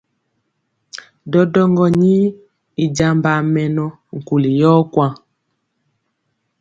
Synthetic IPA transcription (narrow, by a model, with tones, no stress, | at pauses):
dɔ˦dɔ˦ŋɡɔ˦ɲi˦ | i˨d͡ʒa˨mba˨mɛ˨nɔ˦ | ŋ̩˨ku˨li˨jɔ˦kwa˦